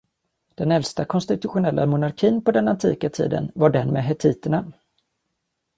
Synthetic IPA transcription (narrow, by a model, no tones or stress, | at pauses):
d̪̥ɛnɛlst̪akʰɔnst̪ɪt̪ɵɧʊnɛlːa̰mʊnaɾkʰiːnpɔd̪ɛnant̪ʰiːkat̪ʰḭːd̪ə̰nvaɖɛnmeːɦɛt̪ʰiːt̪əɳa